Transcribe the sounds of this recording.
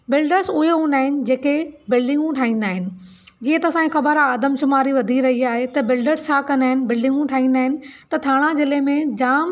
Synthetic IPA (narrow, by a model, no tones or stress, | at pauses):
bɪlɖəɾsʊɦeɦũːnd̪aːɦɪnɪ̆d͡ʑeːkebɪlɖɪ̃ŋɡũʈʰaːɦĩːnd̪aːɦɪnɪ̆ | d͡ʑiːə̃t̪ɐsãːĩxɐbəɾaaːd̪əmʃʊmaːɾiʋɐd̪ʱiɾɐɦiaːɦet̪ɐbɪlɖəɾst͡ɕʰaːkɐ̃nd̪aːɦɪnɪ̆bɪlɖɪ̃ŋɡũʈʰaːɦĩnd̪aːɦɪnɪ̆t̪ɐt̪ʰaːɽ̃ãzɪlemẽd͡ʑaːm